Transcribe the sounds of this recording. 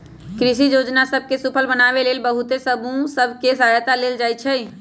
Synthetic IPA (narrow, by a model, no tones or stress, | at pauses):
kɾɪʃijoːd͡ʒnasəb̚kesʊpʰəlbənaːʋeleːlbəɦʊt̪esəbũsəbʱkesaːjt̪aleːld͡ʒaːit͡ʃʰɛi